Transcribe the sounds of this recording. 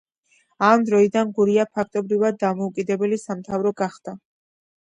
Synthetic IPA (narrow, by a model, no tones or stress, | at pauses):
amd̪ɾɔid̪anɡuɾiapʰak̚ʰt̪ʼɔbɾivad̪̚ːamɔukʼid̪ɛbɛlisamt̪ʰavɾɔɡaχd̪̥a